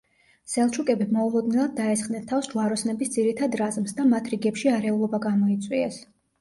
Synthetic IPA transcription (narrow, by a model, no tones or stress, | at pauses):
sɛlˠt͡ʃʰukʼɛbimɔulˠɔd̪nɛlˠad̪̚ːaɛsχd̪ɛnt̪ʰafsd͡ʒuaɾɔsnɛbisd̪ziɾit̪ʰad̪ɾazmsd̪amat̪ʰɾiɡɛpʃiaɾɛulˠɔbaɡamɔit̪sʼwiɛs